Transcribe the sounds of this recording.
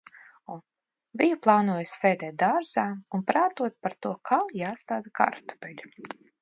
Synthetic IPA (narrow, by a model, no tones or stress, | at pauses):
ɔ | vʲijuplˠaːnuɔjsʲsɛjd̪ɛːt̪̚d̪aɾzaːunpɾaːt̪uɔt̪̚paɾt̪uɔkʰawjaːst̪aːd̪aka̰ɾt̪ɔ̥pɛlʲu